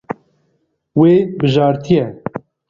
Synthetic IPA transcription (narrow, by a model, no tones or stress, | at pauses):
weːbɨʒɑːɾt̪ʰijɛ